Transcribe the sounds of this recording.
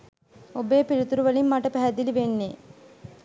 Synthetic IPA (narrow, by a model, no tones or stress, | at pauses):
obeːpiɭut̪uɾuʋɐlimːaʈəpɛɦæd̪iliʋenːeː